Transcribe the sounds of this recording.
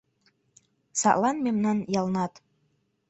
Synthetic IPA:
sɑ̰ʔlˠɑnmemnɑnjɑlˠnɑt̪

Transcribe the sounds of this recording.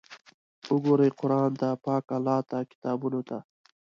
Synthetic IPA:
uɡoɾejqʊɾɑːnt̪apɑːkalːɑːt̪akɪ̥t̪ɑːbunot̪a

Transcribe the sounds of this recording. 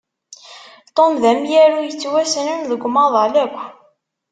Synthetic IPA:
t̪ˤːomðæmjæɾujət͡sːwæsənənðəɡʷmɑðˤɑləb

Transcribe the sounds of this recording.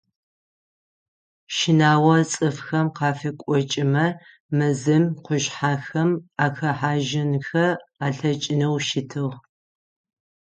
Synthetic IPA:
ʃɪnaːwɐt͡sʼɨfxɐmqɑːfɐkʷʼɔt͡ʃʼɪmɐ | mɨzɨmqʷʊʒħaːxɐmaːxɐħaːʒɪnxɐaːɬɐt͡ʃʼɪnɐwʃɪtʰɨʁ

